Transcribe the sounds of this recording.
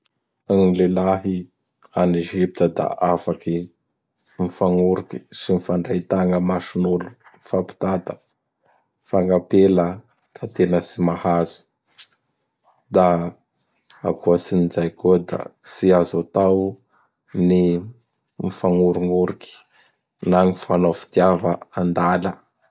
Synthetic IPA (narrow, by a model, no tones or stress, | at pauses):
aŋilelaɦi | aneʒip̚t̪əd̪a̰ʔafaki | mifaŋuɾuki̥simifaɳɖ͡ʐajt̪aŋəmaʃunulumfapi̥t̪ad̪ə | faŋɡapelə | t̪at̪enəsimahazu̥ | d̪a | a̰kuəsinizajkuəd̪a̰siazut̪aw | ni | mifaŋuɾuŋuɾiki̥ | naŋifanofi̥t̪iavəand̪alə